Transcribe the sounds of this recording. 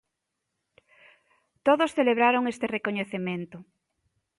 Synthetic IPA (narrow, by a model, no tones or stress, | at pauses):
t̪oðosθeleβ̞ɾaɾoŋest̪erekoɲeθemẽnt̪ʊ